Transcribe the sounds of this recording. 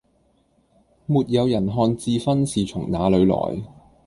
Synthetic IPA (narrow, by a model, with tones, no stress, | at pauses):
muː˨t̚jɐ˨˧wjɐ˨˩nɦɔː˧nt͡siː˧fɐ˥nsiː˨t͡sʰʊ˨˩ŋnaː˨˧lɵ˨˧ɥlɔ̰ː˨˩j